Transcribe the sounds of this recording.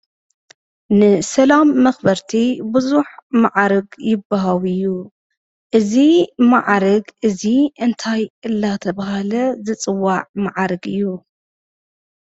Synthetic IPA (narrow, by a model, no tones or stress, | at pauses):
nɨsɐlamːɐxbɐɾt̪ʰibɨzuħmaʕaɾɨɡjɪbːaɦawɨjːu | ʔɨzimaʕɾɐɡʔɨziʔɨnt̪ʰajʔɨlːat̪ʰɐβɐhalɐzɨt͡sʼɨwːaʕmaʕaɾɨɡɨjːu